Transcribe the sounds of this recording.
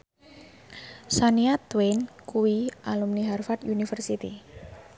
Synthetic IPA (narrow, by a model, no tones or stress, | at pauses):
saniat̪wenkuwiʔalumniɦarfat̪unifərsit̪ḭ